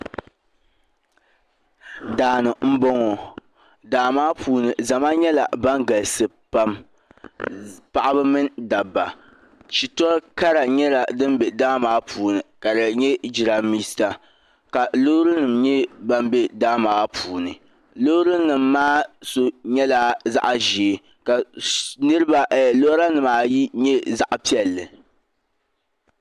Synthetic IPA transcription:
daː˨nɨ˨m̩˦bɔ˦ŋɔ˨ | daː˨maː˦pʰuː˨nɨ˨za˨ma˦ɲɛ˦la̰˨ba˦ŋɡa˨lsɨ˨ | pa˦m | pa˨ʔa˦bɨ˦mɨ˦nda˨bːa˨ | t͡ʃi˨tɔ˦ɾka˦ɾa˨ɲɛ˦la˨dɨ˦m˦bɛ˨daː˦maː˨˦pʰuː˨nɨ˨ka˨dɨ˨ɲɛ˦d͡ʒi˨ɾa˨mi˦sta˨ | ka˨lo˦ɾɨ˦nɨ˨mɲɛ˦ba˦mbe˦daː˦maː˨˦pʰuː˨nɨ˨ | lo˦hɾɨ˦nɨ˨mːaː˦so˦ɲɛ˦la˨za̰˦ʔa˨ʒi˨e˨ | ka˨nɨ˦ɾɨ˦ba˨lo˦ɾa˦nɨ˨maː˨ji˦ɲɛ˦za˦˨ʔpi˦ɛ˨lːɨ˨

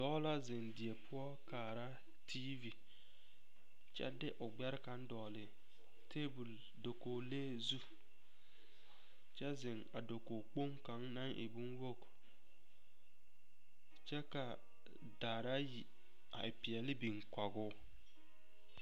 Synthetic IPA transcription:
dɔː˦la˦zɪ˨ŋdɪ˨ɛ˨pʰʊ˦ɔ˦kaː˨ɾa˦ | tʰiː˦vi˨ | t͡ʃɛ̰˦dɪ˦ʔʊ˨ɡ͡bɛ˦ɾɪ˦ka˦n˦dɔː˨lɪ˨ | tʰe˦bu˨l | do˨koː˨leː˦zu˦ | t͡ʃɛ˦zɪ˨ŋa˨do˨ko˨k͡po˦ŋka˨˦ŋna˦ŋʔɪ̰˨bu˦nwo˦˨k | t͡ʃɛ˦ka˨ | daː˨ɾa˦ji˨ | a̰˨ɪ˨pɪ˨ɛ˨lɪ˦bi˨ŋka˨ɡʊ˦

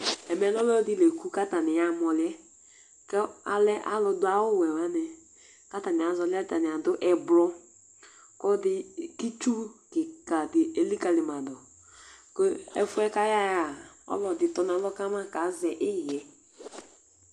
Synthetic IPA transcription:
ɛ˨mɛ˨˦nɔ˦lɛ˦ɔ˦dɪ˦le˨ku˦ka˦ta˨nɪ˨ja˨mɔ˨lɪ˦ɛ˦ | kɛ˦a˦lɛ˦ʔa̰˨lɔ˧dʊ˦a˦wʊ˦˨wɛ˨wa˨˦nɛ˨ | ka˦ta˨nɪ˨a˨zɔ˧˦lɪ˦ta˨nɪ˨a˨dʊ˦ʔɛ˨blɔ˦ | kɔ˦dɪ˦ki˦t͡ʃu˦kɪ˨ka˨dɪ˨e˨li˦ka˨lɪ˨ma˨dɔ˨ | kɔ˦ɛ̰˦fʊ˦ɛ˦ka˦ja˦ja˨ɔ̰˦lɔ˨dɪ˨tɔ˨nã˨˦lɔ˦ka˦ma˦ka˨˦zɛ˨ʔɪ˦˨jɛ˨

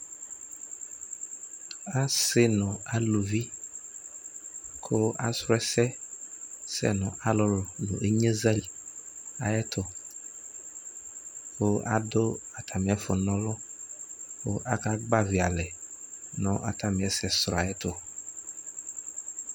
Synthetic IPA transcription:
a˦sɪ˦nɔ̃˨a˦lo˨vi˦ | kʰʊ˦a̰˦sɾɛ˦sɛ˦ | sɛ̰˦nɔ̃˨ʔa˦lʊ˦lʊ˨nʊ̰̃˨ʔe˦ɲe˦zɛ˦l | a˨jɛ˦t̪ʊ˨ | kʊ˦a̰˦dʊ˦a˨t̪ʰa˨mĩ˨˦ɛ˦fʊ˨nɔ̃˦lʊ˦ | kʊ̰˦ʔa˦ka˦ɡ͡ba˦vi˨a˨lɛ˨nɔ̃˨ʔa̰˨t̪ʰa˨mĩ˨ɛ˦sɛ˨sɾa˨ɛ˦t̪ʊ˨

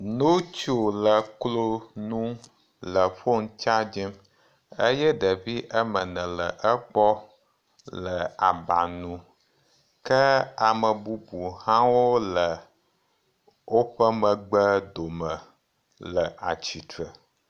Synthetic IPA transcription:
no˦t͡ʃo˦lə˨klo˦nũ˦ | lə˨ɸo˦ŋ˦t͡ʃa˦d͡ʒi˦m | ə˦jɛ˦ɖə˨vi˦ʔə˦mə˨nə̃˨lə˨ʔə˦k͡pɔ˦ | lə˨a˨ba̰˨nũ˦ | kə˦a˨mə˨bu˦bu˨hã˦wo˦lə˨ | wʔo˦ɸə˦mə̃˨ɡ͡bə˦d̪o˨mə̃˨ | lə˨ʔa˨t͡ɕi˨t̪ɾə˨

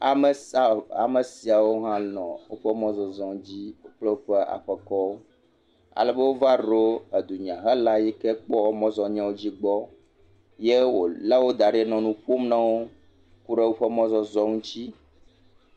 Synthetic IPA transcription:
a˨m˨a̰˨me˨si˨a˨wo˦ɦã˦lɔ̃˨wo˦ɸɛ˦mɔ̃˦zɔ˨zɔ˦ŋũ˦d͡ʑi˦o˦k͡ple˦wo˦ɸɛ˦ʔa̰˨ɸɛ˨kɔ˦wo˦ | a̰˨lɛ˦be˦wo˦va˦ɖo˦e˨d̪u˨ɲ˨ã˨ɦɛ˦la˦ji˦kɛ˦k͡pɔ˦o˦mɔ̃˦zɔ˦ɲã˦wo˦d͡ʑi˦ɡ͡bɔ˦ | je˦wo˨la˦wo˦d̪a˨ɖe˦nɔ̃˨nũ˦ɸo˦m˦nã˦wo˦ | ku˦ɖe˦wo˦ɸɛ˦mɔ̃˦zɔ˦zɔ˦ŋũ˦t͡ɕi˦

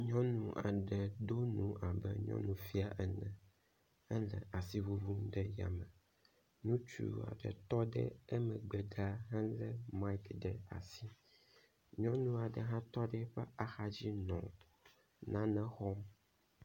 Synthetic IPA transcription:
ɲɔ̃˦nũ˨ʔa˨ɖɛ˨d̪o˦nũ˦ʔa˨bɛ̰˦ɲɔ̰̃˦nũ˨fi˦a˨ʔɛ˨nɛ̃˨ | ɛ˦lɛ̰˨a˨si˦vu˦vu˦mɖɛ˦ja̰˨mɛ̃˨ | nũ˦t͡ʃṵ˨a̰˨ɖɛ̰˨t̪ɔ˦ɖɛ̰˦ɛ˦mɛ̃˨ɡ͡bɛ˨ɡa˦ɦã˦lɛ˦ma˦i˦kɖɛ˨a̰˨si˦ | ɲɔ̃˦nũ˦a˨ɖɛ˨ɦã˦t̪ɔ˦ɖɛ˦ɸɛ˦a˨xa˦d͡ʑi˦nɔ̃˨t | nã˦nɛ̃˦xɔ˦m

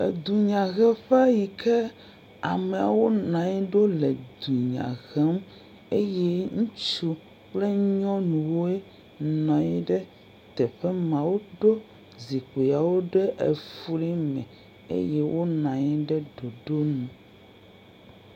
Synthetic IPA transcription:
ḛ˨d̪u˨ɲã˨ɣɛ˦ɸɛ˦a˦ji˨kʰɛ˦ | a̰˨mẽ˨a̰˨wo˦nã˨ɲɛ˦ɖo˦le˨d̪u˨ɲã̰˨ɣɛ˦m | e˦jɛ˦ŋũ˦t͡ʃu˦ | k͡ple˦ɲɔ̃˦nũ˨wo˦e˦ | nã˨ɲi˦ɖɛ˦ | t̪ɛ˨ɸɛ˦mã˨wo˦ɖo˦ | zi˨k͡po˨ja˨wo˦ɖɛ˦ʔe˨fu˦li˦mɛ̰̃˨ | ḛ˦jɛ˦wo˦nã˨ɲi˦ɖɛ˦ɖo˨ɖo˦nũ˨

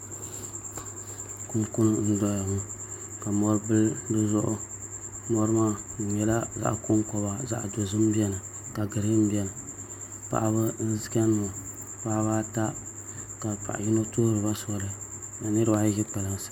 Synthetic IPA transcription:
kʊ˦m˦kʊ˦nɨ˨n̩˦dɔ˦ja˨mu˦ | ka˨mɔ˦ɾbɨ˦ldɨ˦zʊ˦ʔʊ˦ | mɔ˦ɾɨ˦maː˦˨ɲɛ˨la˦za̰˦ʔkʊ˦ŋ˦kɔ˦ba˦za̰˦ʔdo˨zɨ˦m˦bi˦ɛ˦nɨ˨ | ka˨ɡɨ˨ɾɨ˦m̩˦bi˦ɛ˦nɨ˨ | pa̰˨ʔa˦βɨ˦n̩˦zɨ˦ka˦nː˦o˨ | baː˦baː˦ta˦ | ka˨pa̰˨ʔji˦no˦toː˦ɾɨ˨ba˦sɔ˦lɨ˦ | a˨nɨ˦ɾɨ˦ba˦ʒi˦k͡pa˨la˨n˨sḁ˦

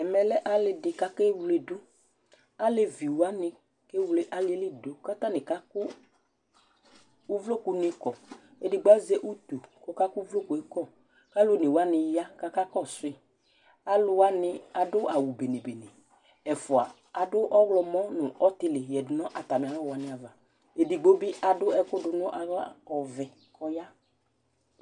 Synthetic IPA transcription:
ɛ˨mɛ˨lɛ˦ʔa˨lɪ˧dɪ˨ka˦ke˦wle˦dʊ˦ | a˦le˦vi˨wa˦nɪ˧ | ke˦wle˦ʔa˦lɪ˦e˦lɪ˦do˨ka˦t̪a˦nɪ̃˨ka˦kʊ˦ | vlo˦ku˧nɪ˧kɔ˨ | e˦dɪ˦ɡ͡ba˦ze˦ʔu˦t̪u˨kɔ˦ka˦ku˦vlo˦ku˨e˨˦kɔ˦˨ | ka˦lʊ˦nɪ˨wa˦nɪ˧ja˦ka˦ka˦kɔ˦˨sʊ˨˦ɪ˦ | a˦lʊ˦a˦nɪ˦a˨dʊ˦ʔa˨wu˨be˨ne˨be˨ne˨ | ɛ˨fʊ˨a˨ | a˨dʊ˦ʔɔ˦ɣlɔ˧mɔ̃˦nʊ˨ɔ˦tɪ˦lɪ˨jɛ˨dʊ˨nɔ̃˦ʔa˨ta˨mɪ̃˨a˨˦ɔ˦wa˨nɪ˨˦a˨va˨ | e˨dɪ˨ɡ͡bo˦bɪ˦ʔa˨dʊ˦ɛ˦kʊ˦dʊ˨nɔ̃˦ʔa˨ɣla̰˦ɔ˨vɛ˨ | kʰɔ˧ja˦

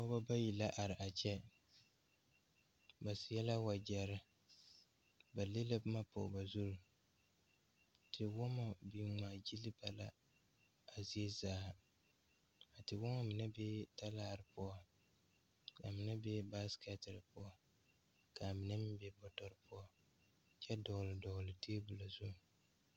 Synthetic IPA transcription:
ɔ˦ba˦ba˦ji˨la˦ʔa˨ɾɪ˨ʔa˨t͡ʃɛ˦ | ba˨sɪ˨jɛ˦la˦wa˨d͡ʒɛ˨ɾɪ˦ | ba˨le˦la˦bma˦pʊ̰˨ba˨zu˦ɾu˨ | tʰɪ˨wɔ˦ma˨bi˨ŋaː˨d͡ʒi˦li˦ba˨la̰˦ | a˨zi˦e˦zaː˨˦ | a˨tɪ˨wɔ˦ma˦mɪ˨nɛ˦bɛ˦ta˦laː˦˨ɾɪ˨pʊ˦ɔ˦ | ka˨mɪ˨nɛ˦bɛ˦ba˦skɛ˦tɪ˨ɾpʊ˦ɔ˦ | ka˨mɪ˨nɛ˦mɪ˦bɛ˨bɔ˨tɔ˨ɾɨ˨pʊ˦ɔ˦ | t͡ʃɛ˦dɔ˨ɣlɪ˨dɔ˨ɣʊ˨lɪ˨tʰeː˦bu˨la˨zu˦˨

